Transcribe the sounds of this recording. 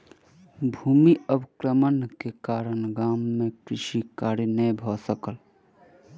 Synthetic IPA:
bʱuːmiəbkɾəmənkekaːɾənɡaːmːẽkɾɪʃikaːɾinəjbʱɔsəkəl

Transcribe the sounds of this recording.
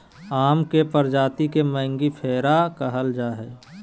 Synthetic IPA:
aːmkepəɾd͡ʒaːt̪ikemɛ̃ːŋɡipʰeːɾakəɦəld͡ʒaːɦɛː

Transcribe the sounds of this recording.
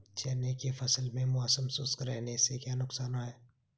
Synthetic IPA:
t͡ʃɛːnekefɐsəlmẽmʊasəmsuːskɾɛːnesekjaːnʊksaːnaɦɛː

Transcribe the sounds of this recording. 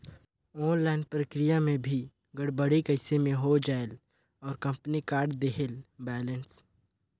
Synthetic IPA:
ɔːnlaːnɖpɾəkɾijamẽbʱi | ɡəɽbəɽikəɪsemẽɦod͡ʒaːel | ɔːɾkə̃mpnikaːɾɖd̪eɦelbɛːləns

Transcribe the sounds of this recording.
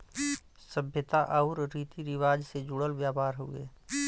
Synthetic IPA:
səbʱjət̪aʔaʊɾːiːt̪iɾɪʋaːd͡ʒsed͡ʒʊɽəlʋjaːpaːɾɦuḛː

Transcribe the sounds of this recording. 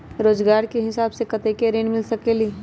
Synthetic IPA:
ɾoːd͡ʒɡaːɾkeɦɪsaːbsekɐt̪ekeɾeːnmɪlsɐkeli

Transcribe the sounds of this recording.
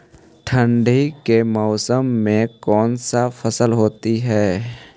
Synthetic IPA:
ʈʰə̃ɳɖʱikemɔːsəmːẽkɔːnsafʰəsəlɦoːt̪iɦɛː

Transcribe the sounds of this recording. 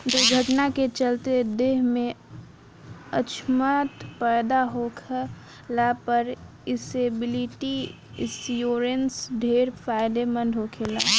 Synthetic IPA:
d̪uɡʱəʈnaket͡ʃəlt̪ed̪eːɦmẽ | ə̰t͡ʃʰmat̪pɛːd̪aɦokʰə | lapəɾ | ɪsebɪliʈi | ɪ̰sjoːɾensɖʱeːɾpʰaːɪd̪emə̃nɖʱɦokʰela

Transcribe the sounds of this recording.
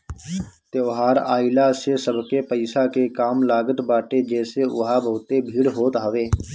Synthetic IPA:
t̪eːɦaːɾaːɪlaːsesəbkeːpəɪsaːkeːkaːmlaːɡət̪baːʈeːd͡ʒɛːseʊ̰ɦaːbəːt̪eːbʱiːɽɦoːt̪ɦaʋeː

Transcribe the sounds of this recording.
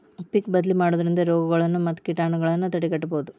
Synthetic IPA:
pikbɐd̪limaːɽoːd̪ɐɾind̪ɐɾɔːɡɐɡɐɭɐnːumɐt̪ːkiʈaːɳɐɡɐɭɐnːut̪ɐʈikɐʈːɐboːd̪u

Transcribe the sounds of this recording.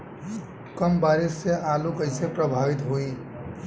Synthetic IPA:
kəmbaɾisːeʔalukəɪsepɾəbʱaʋit̪ɦoi

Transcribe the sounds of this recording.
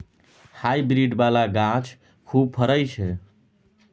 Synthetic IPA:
hajbɾiɖbalaɡãt͡ʃʰ | kʰub̚pʰəɾəjt͡ʃʰe

